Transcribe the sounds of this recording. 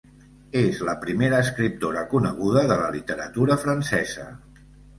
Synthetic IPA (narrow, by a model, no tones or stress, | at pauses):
ezləpɾimeɾəːskɾip̚t̪oɾəkunəɣ̞uðəðələlit̪əɾət̪uɾəfɾənsɛzə̰